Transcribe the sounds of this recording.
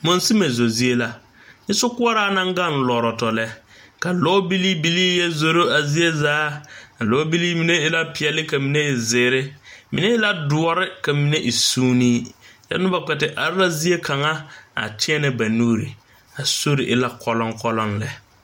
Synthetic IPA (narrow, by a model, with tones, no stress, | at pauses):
mo˦nsi˦me˨zo˨zi˦e˦la˦ | ɲɪ˦sʊ˦kʊ˦a˦ɾaː˦na˦ŋɡa˦˨n˨lɔː˨ɾɔ˨tɔ˨lɛ˦ | ka˨lɔ˦bi˦li˦bi˦liː˦jɛ˦zo˨ɾo˦a˨zi˦e˦zaː˦a˨lɔ˨˦bi˦liː˦mi˨ne˦ɪ˦la˦pɪ˨ɛ˨lɪ˦ka˨mi˨ne˦ɛ˨zɪː˨ɾɪ˦mḭ˨ne˦ɪ˦la˦dʊ˨ɔ˦ɾɪ˦ka˨mi˨ne˦ʔi˨suː˦niː˦jɛ̰˦nʊ˦ba˨k͡pɛ˨tɪ˨ʔa̰˨ɾɪ˦la˦zi˦e˦ka˨ŋa˦a̰˨tʰɪ˦ɛ˦nɪ˨ba˨nuː˦ɾḭ˨ | a˨so˦ɾɪ˨ʔɪ˦la˦kʰɔ˦lɔ˦ŋkɔ˦lɔ˦nlɛ˨